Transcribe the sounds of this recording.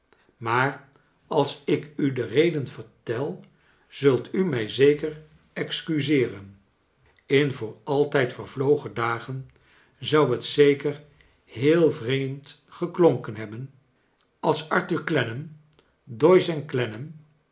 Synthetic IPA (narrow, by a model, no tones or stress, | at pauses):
maːɹ | ɑlˠsɪkydərejdənvəɹtɛlˠ | z̥ɵlˠtʰymɛjzejkər | ɛkskyzɪːrən | ɪnvʊːɹɑlˠtɛjtfəɹvlowχədaːχən | zʌwɦətsejkər | ɦeːlˠvrejmt | χəkloŋkənɦɛbən | ɑlˠsɑɹtyɹklɛnəm | dɔjsɛnklɛnəm